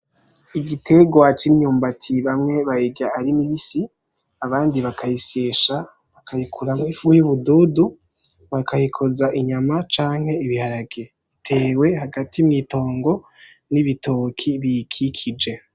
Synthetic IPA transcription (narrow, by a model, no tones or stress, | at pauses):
iɡitʰe̞ɡwat͡ʃimɲuːmbatʰiβamŋe̞βaiɡaːɾimiβisi | aβaːndiβakʰajiseːʃa | βakʰajikʰuɾamifujuβuduːdu | βakajikʰo̞zaʔiɲamat͡ʃaːŋ̥he̞iβihaɾaɡe | itʰe̞ːwe̞ɦaɡatiumŋiːto̞ːŋɡo̞ | niβito̞ːkʰiβikʰikʰid͡ʒe̞